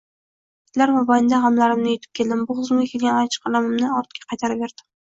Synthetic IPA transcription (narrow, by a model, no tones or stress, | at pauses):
ɪ̥t̪laɾmɒbajɪnd̪aʁamlaɾɪmnɪjot̪ʰɪ̥p̚kʲʰe̞ld̪ɪmbʊʁɨzmɡʲakʲʰe̞lɡʲanat͡ʃʰɨ̥qʰɑlˠamɪmnɪɒɾt̪kʲḁqʰɑjt̪ʰaɾɪpve̞ɾd̪̥ɪm